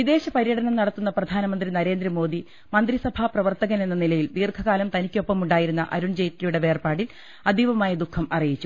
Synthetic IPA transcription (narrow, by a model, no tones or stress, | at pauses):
ʋid̪e̞ːɕɐpɐɾjɐɽɐnɐmnɐɽɐt̪ːunːɐprɐd̪ʱaːnɐmɐnd̪rinɐɾe̞ːnd̪ɾɐmo̞ːd̪i | mɐnd̪risɐbʱaprɐʋɐrt̪ɐɣɐnenːɐnilɐjilʋiːrkʰɐɣaːlɐmt̪ɐnikʲːo̞pːɐmuɳɖaːjiɾunːɐ̰ʔɐɾuɳd͡ʑejtːɐjuɽe̞ʋe̞ːrpaːɽil | ɐd̪ʱiʋɐmaːjɐd̪ukʰːɐmɐrijit͡ɕːu